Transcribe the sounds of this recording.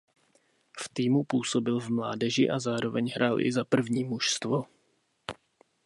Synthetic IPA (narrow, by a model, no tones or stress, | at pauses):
ft̪iːmupuːso̞bɪlvmla̰ːdɛʒɪʔazaːɾo̞vɛɲɦɾʔaːlʔɪ̰zapr̩vɲiːmuʃst̪vo